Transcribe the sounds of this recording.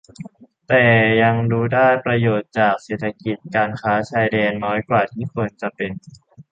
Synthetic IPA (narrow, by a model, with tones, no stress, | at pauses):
t̪ɛː˨˩ja˧ŋɾuː˦˥daː˥˩jpɾa˧joː˨˩t̪̚t͡ɕaː˨˩k̚seː˨˩t̪ʰːa˧ki˨˩t̪̚kaː˧nkʰaː˦˥t͡ɕʰaː˧jdɛː˧nːɔː˦˥jkwaː˨˩t̪ʰiː˥˩kʰo˧nt͡ɕa˨˩pe˧n